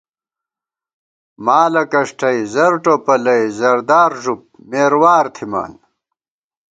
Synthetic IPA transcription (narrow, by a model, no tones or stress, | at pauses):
maːlɐkɐʂʈʰɐjzɐɾʈopɐlɐjzɐɾd̪aːɾʐup̚ | meːɾwaːɾt̪ʰima̰ːn